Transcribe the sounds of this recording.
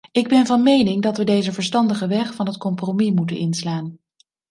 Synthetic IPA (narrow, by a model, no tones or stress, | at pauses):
ɪɡ̚bɛnvɑnmejnɪŋdɑtʋədejzəvəɹstɑndəχəʋɛχfɑnɦətkɔmpromimutə̰nʔɪnslaːn